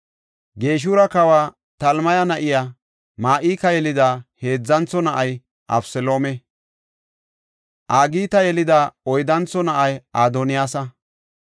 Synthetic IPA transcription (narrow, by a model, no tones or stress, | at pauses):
ɡeːʃ̬uɾɐkɐwaː | t̪ɐlmɐjɐnɐʔɪja | maːʔiːkɐjɛlɪd̪aːhe̞ːd͡zːɐnt͡sːɔnɐʔɐj | ʔɐ̰bsɛlo̞ːmɛ | ʔaːɡiːt̪ɐjɛlɪd̪aɔjd̪ɐnt͡sːɔnɐʔɐjʔaːd̪onɪjaːsɐ